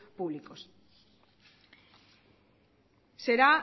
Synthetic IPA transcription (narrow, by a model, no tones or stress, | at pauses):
puβlikos | seɾa